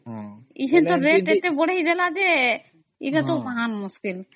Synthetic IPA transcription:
iʃent̪oɾeʈeʈeboɽejd̪elad͡ʑe | ḭʈat̪obaɦanmuskil

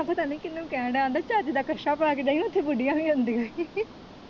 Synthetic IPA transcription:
ãpət̪aːnũːkɪnːũːkɛ̃ːɖãːd̪aːt͡ʃaːd͡ʒid̪aːkəʃaːpəɽaːked͡ʒaːinʊt̪ʰːeːbʊɖijãːʋiːɦʊnd̪iːɦoː

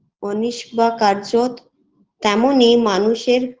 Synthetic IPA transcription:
oniʃbakaɾd͡ʑot̪ː | ɛmonimanuʃeɾ

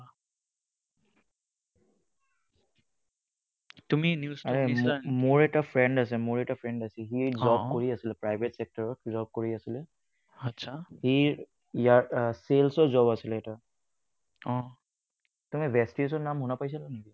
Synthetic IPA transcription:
tuminjusaɹɛmmʊɹɛtafʰɹɛɳɖas̬ɛmʊɹɛʈafʰɹɛɳdasɛɦiɹzɔb̚koɹiasilɛpɹajbʱetsɛk̚taɹɔtzɔb̚koɹiasilɛ | asʰahiɹ | ijaɹselsɔzɔbasilɛːta | ɔ̃ | tumibɛstisɔnamɦʊnapajs̬alaneɡi

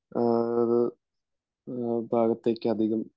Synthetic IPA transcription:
ðɨ | bʱaːɡɐt̪ːe̞ːkʲːɨɐd̪ʱiɣɐm

